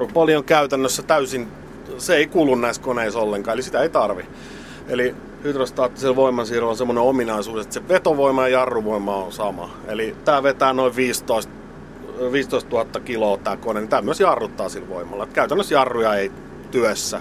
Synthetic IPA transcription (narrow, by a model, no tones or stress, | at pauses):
upɑlioŋkæyt̪ænːøsːæt̪æysin | seeikuːlːunnæiskoneisolːeŋkɑːelisit̪æeit̪ɑrʋi | eli | hyt̪røst̪ɑːt̪ːisielʋoimːˑɑnsiːrilonsemːoneominɑisuːset̪seʋet̪oʋoimˑɑjɑjɑrːuʋoimˑɑonsɑmɑ̰ | ḛlit̪æːʋet̪æːnoiʋʋiːst̪oist̪ | ʋiːst̪oist̪t̪uhɑt̪ːɑkiloːt̪æːkonenit̪æːmyøsjɑrːut̪ːɑːsilʋoimˑɑ̰lːet̪kæyt̪ænːøsjɑrːujɑei | t̪yøsːæ